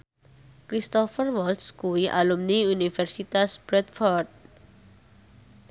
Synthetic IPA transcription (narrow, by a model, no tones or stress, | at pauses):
kɾist̪ɔfərwɔlt̪skuwiʔa̰lumniunifɛrsit̪asb̥ɾɛt̪̚fɔrd̪̚